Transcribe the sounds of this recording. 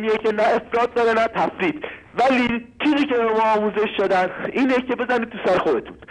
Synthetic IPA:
mijecʰenæe̞fɾɒːt̪̚d̪ɒɾe̞næt̪ʰæfɾiːt̪ | væliːt͡ʃʰiːziːce̞bemɒːɒːmuːze̞ʃʃod̪æniːnecʰe̞be̞zænid̪̚t̪ʰusæɾexod̪e̞t̪ʰun

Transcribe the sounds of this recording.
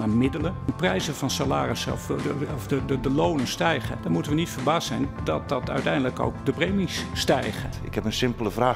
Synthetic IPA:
amɪdələnprɛjzəvɑnsalaːrɪsɔ̰fɔfədəlownənstɛjχədɔɹmutənʋənitfərbaːstsɛjndɑt̚dɑtœ̰ɥtɛjndələko̰wkdəprejmisːtɛjχə | ɪkhɛpənsɪmpləvraː

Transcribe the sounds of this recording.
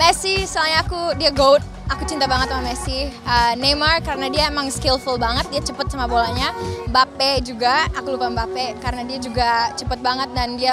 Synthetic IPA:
mɛrsisəalɲaːkudiaɡowt̪̚ | akut͡ʃint̪abaŋət̪̚mamɛsiənemarkaɾənadiaemaŋskɪlfulbaŋət̪̚diat͡ʃəpət̪̚samabolaɲabapɛd͡ʒuɡaːkulupambapɛkaɾənadiad͡ʒuɡat͡ʃəpət̪̚baŋət̪̚dandia

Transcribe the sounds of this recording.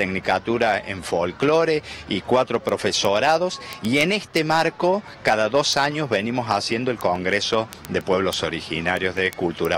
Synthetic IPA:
t̪eknikat̪uɾaḛɱfolklo̞ɾeikwat̪ɾo̞pɾofesoɾaðosiene̞st̪emaɾko̞ | kaðaðo̞saɲozβenimo̞sasje̞nd̪oelkoŋɡɾeso̞ | ðepwe̞βlo̞soɾixḭnaɾjozðekult̪uɾa

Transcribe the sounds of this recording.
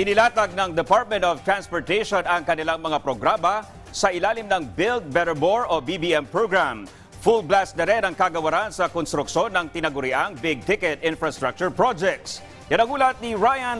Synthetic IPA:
ʔɪnɪlaːt̪ɐɡ̚nɐŋd̪ɛpaɹt̪̚mɛ̃nt̪ɔv̥t̪ɾanspoɹt̪ɛjʃonɐŋkɐnɪlaŋmɐŋapɾoɡɾaːmɐ | sɐʔɪlaːlɪmnɐŋbɪlt̪̚bɛɾɛboɹobibiɛmpɹoɡɹam | fulblast̪ɛɾɛnɐŋkaɡɐwɐɾansɐkɔnst̪ɾʊkʃo̞nːɐŋt̪ɪnɐɡʊɾɪʔaŋbɪɡ̚t̪ɪkɛt̪ʔɪnfɹɐst̪ɾak̚t͡ʃʊɹpɹod͡ʒɛk̚t̪s | jɐnɐɡuːlɐt̪̚niɹajɐn

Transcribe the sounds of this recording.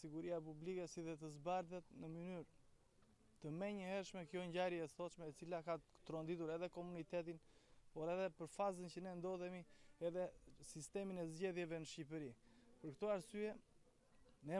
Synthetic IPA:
siɡuɾijapublikɛsiðɛt̪əzbaɾðɛt̪nəmənyɾ | t̪əmɛɲəhɛɾʃmɛkəjɔɲɟaɾjɛɛsɔt̪ʃmɛɛt͡silakat̪ɾɔnd̪it̪uɾɛðɛkɔmunit̪ɛt̪̬inpɔɾɛðɛpəɾfazəncənɛnd̪ɔðɛmiɛðɛsist̪ɛminɛzɟɛðjɛvɛnəʃcip̬əɾipəɾkt̪ɔaɾsyɛ | nɛ

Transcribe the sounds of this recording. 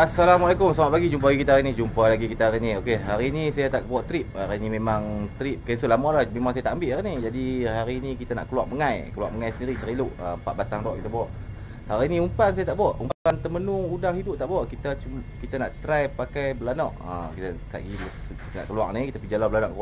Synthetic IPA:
asalamalakʊmsamat̪̚baɡid͡ʒump̬alaɡikit̪ahaɾinid͡ʒumpalaɡikit̪aaɾiniokeɦaɾiːnisajat̪aʔbuaʔt̪ɾip̚aɾinimemaŋt̪ɾip̚kans̬ulamalahmemaŋsajat̪aʔambɪʔaɾinid͡ʒadiɦaɾinikit̪ana̰ʔkəluak̚məŋajkəlua̰k̚məŋajsəndiɾit̪ɾilʊʔə̰mpa̰ʔ̚bat̪aŋlwaʔkit̪abuwaʔ | haɾiːniumpansajat̪aʔbuaʔumpaant̪əmənuudaŋhidʊp̚t̪aʔbuwaʔkit̪at͡ʃukit̪anaʔt̪ɾajpakajbəlanɔʔə̰kit̪at̪a̰ʔiluʔ | kit̪ana̰ʔkəlua̰knikit̪apid͡ʒalabəlanɔʔkəlua

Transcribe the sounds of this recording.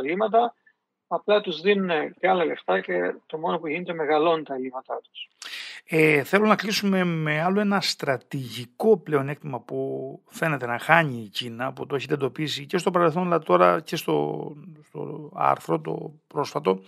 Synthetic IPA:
limɐt̪ɐ | ɐplɐt̪uzðinuneceɐlɐleft̪ɐce̞t̪o̞mo̞no̞puʝinet̪e̞me̞ɣɐlo̞nt̪ɐlimɐt̪ɐt̪u̥s | eθe̞lunɐklisume̞me̞ɐloe̞nɐst̪ɾɐt̪iʝiko̞ple̞o̞ne̞kt̪imɐpufe̞ne̞t̪e̞nɐxɐɲiːcinɐput̪oe̞çit̪ed̪o̞pisice̞st̪o̞pɐɾe̞lθo̞nɐlɐt̪o̞ɾɐce̞st̪o̞̰st̪o̞̰ɐ̰ɾθɾo̞t̪o̞̰pɾo̞sfɐt̪o̞

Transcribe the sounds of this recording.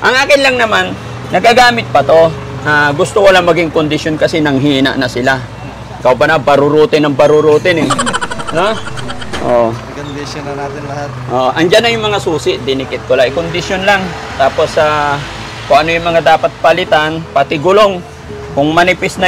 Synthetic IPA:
ʔɐŋʔaːkɪnlaŋnɐmanː | ɐɡaɡaːmɪt̪̚pɐt̪o̞ | ʔaɡʊst̪okolaŋmɐɡɪŋkʊnd̪ɪsjonkɐsɛnɐŋɦiːnɐ̰ʔnɐsɪla | ɪkawbɐnabɐɾʊɾuːt̪ɪnɐŋbɐɾʊɾuːt̪ɪnɛnoʔokond̪ɪsonɐnaːt̪ɪnlɐhat̪̚ʔoʔɐŋd͡ʒanːɐjʊŋmɐŋasuːsɪʔd̪ɪnɪkɪt̪̚kolaʔɪkʊnd̪ɪsjonlaŋt̪aːpo̞sa | kʊŋʔɐnojʊŋmɐŋad̪aːpɐt̪̚pɐlɪt̪anpɐt̪ɪɡʊloŋ | kʊŋmɐnɪpɪsnɐ

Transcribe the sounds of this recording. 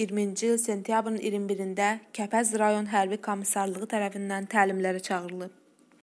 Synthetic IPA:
iɾmind͡ʒiilse̞nt̪ʰijɑbɾɯnḭɾmbiɾind̪æcʰæpʰæzɾɑjo̞nɦæɾbikʰo̞mːisɑɾlˠɯʁɯt̪ʰæɾæfind̪ænt̪ʰæːlimlæɾæt͡ʃʰɑɣɯɾɯlˠɯ

